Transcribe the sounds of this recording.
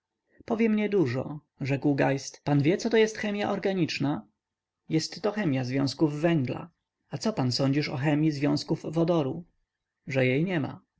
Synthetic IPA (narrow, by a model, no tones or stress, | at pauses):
pɔvʲjɛmɲɛd̪uʐɔ̰ | ʐɛkwɡajst̪panvʲjɛt̪sɔt̪ɔjɛst̪xɛmʲja̰ʔɔɾɡaɲit͡ʂna | jɛst̪ːɔxɛmʲjazvʲjɔ̃w̃skuvːɛŋɡla̰ | at̪sɔpansɔɲd͡ʑiʂɔ̰xɛmʲjizvʲjɔ̃w̃skuvːɔd̪ɔɾu | ʐɛjejɲɛma̰